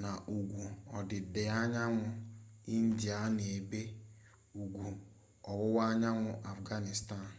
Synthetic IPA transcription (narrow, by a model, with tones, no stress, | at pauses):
na˨ʔu˨ɡʷu˨ɔ˨dɪ˨de˨a˦ɲa˦ŋʷʊ˦i˦n̩˦di˨a˦ne˨be˦ | u˨ɡʷu˨ | ɔ˨wʊ˦wa˦ɲa˦ŋʷʊ˦ʔa˨fɡa˦ni˨sta˦˨n˨